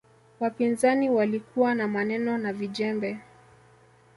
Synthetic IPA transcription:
wapinzaniwalikuwanamanɛnɔnavid͡ʒɛmbɛ

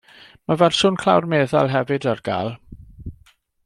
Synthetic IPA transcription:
mavɛrsʊːnkʰlˠa̰wrmeːðalˠɦɛvɨdarɡ̥a̰ːlˠ

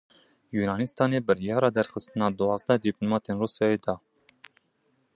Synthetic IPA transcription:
juːnɑːnist̪ɑːneːbɨɾjɑːɾɑːd̪ɛɾxəst̪ɨnɑːd̪uɑːzd̪ɛd̪iplomɑːt̪enruːsjɑːjeːd̪ɑː

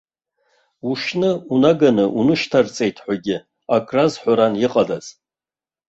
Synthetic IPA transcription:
uʃnɨunaɡanɨʔunɨʃtʰart͡sʼe̞jtʰħʷaɡʲɪ | akʰʼrazħʷaɾanjiqʼadaz̥

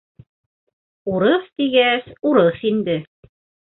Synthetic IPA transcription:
uɾɤθt̪iɡæsuɾɤθind̪ɘ

